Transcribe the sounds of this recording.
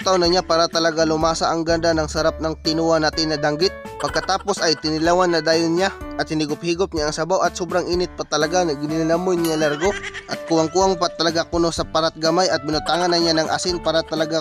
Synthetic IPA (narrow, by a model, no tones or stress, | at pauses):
t̪awnɐɲapaːɾat̪ɐlɐɡalʊmaːsɐʔɐŋɡand̪anɐŋsɐɾap̚nɐŋt̪ɪnuːɐnat̪ɪnːɐd̪aŋɡɪt̪̚pɐɡ̚kɐt̪aːpo̞sʔɐjt̪ɪnɪlawanːɐd̪aːjʊnɲaʔɐt̪̚hɪnɪɡʊp̚hiːɡop̚ɲaʔːŋsɐbawɐt̪̚sobɾaŋʔiːnɪt̪̚pɐt̪ɐlɐɡaŋɐɡɪnɪlalamojnɲalaɾɡo̞ʔɐt̪̚kʊwaŋkuaŋpat̪ɐlɐɡakʊnosɐpɐɾat̪̚ɡɐmajɐt̪̚bɪnʊt̪aːŋɐnːɐɲanɐŋʔa̰sɪnpaːɾat̪ɐlɐɡa